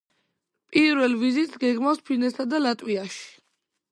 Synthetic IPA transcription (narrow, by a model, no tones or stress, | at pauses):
pʼiɾvɛlˠvizit̪ʼsɡɛɡmavspʰinɛsad̪alat̪ʼwiaʃi̥